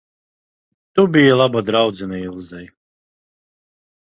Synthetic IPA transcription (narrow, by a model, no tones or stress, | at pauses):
t̪ubijalˠabad̪ɾawd̪zɛnailˠzɛj